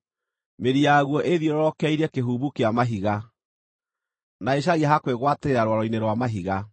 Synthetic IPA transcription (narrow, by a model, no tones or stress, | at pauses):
meɾiaɣwɔʔeðjɔɾɔɾɔkɛiɾɛkeɦuβukeamaɦiɣa | naeɕ̬aɣiaɦakweɣwateeɾaɾwaɾɔineɾwamaɦiɣa